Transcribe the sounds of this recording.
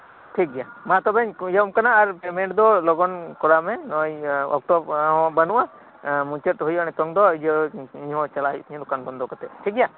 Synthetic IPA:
ʈʰik̚ɡɛjamat̪ɔbɛɲjɔmkanaːɾpɛmɛɳʈd̪ɔlɔɡɔnkɔɾamɛnɔjɔ̰k̚ʈɔbɦɔ̃banuʔa | muɲt͡ʃəʈɦujanɛt̪ɔŋd̪ɔid͡ʒɔiɲɦɔ̃t͡ʃalajiɲlɔkanbɔnd̪ɔkat̪ɛʈʰik̚ɛja

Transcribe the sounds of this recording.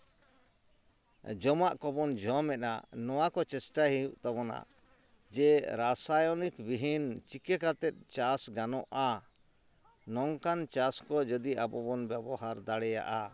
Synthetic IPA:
d͡ʒɔmaʔkɔbɔnd͡ʒɔmɛt̪̚na̰nɔwakɔt͡ʃɛsʈaɦijuʔt̪aβɔna̰ | d͡ʒɛɾasajɔnikbiɦint͡ʃikɛkat̪ɛt̪̚t͡ʃasɡanɔʔa | nɔŋkant͡ʃaskɔd͡ʒəd̪iʔabɔbɔnbjɛbɔhaɾd̪aɽɛja̰ʔa

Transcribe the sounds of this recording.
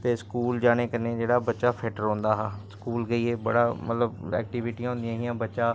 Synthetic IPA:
t̪eːskuːld͡ʒaːɽ̃eːkəɾneːd͡ʒeːɽaːbətːʃaːpʰɛːʈəɾõːnd̪aːɦaːskuːlɡəiːeːbəɽaːmə̰t̪ləbɛ̰ːk̚ʈiːʋɪʈijãːɦʊ̃nd̪ijãːɦijãːbətːʃaː

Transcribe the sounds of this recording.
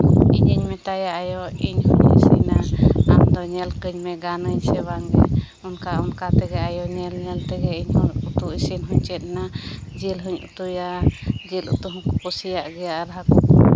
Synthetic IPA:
iɲəɲmɛt̪ajaʔajɔiɲhuɲḭsiɲnaamd̪ɔɲɛlkəɲmɛɡanəɲsɛbaŋɾɛ̰ | ɔnkaɔnkat̪ɛɡɛajɔɲɛlɲɛlt̪ɛɡɛiɲut̪uʔisinɦuɲt͡ʃɛt̪̚nad͡ʒilɦuɲṵt̪ujad͡ʒilṵt̪uɦɔ̃kukusijaʔɡɛjaʔɾɦakɔ

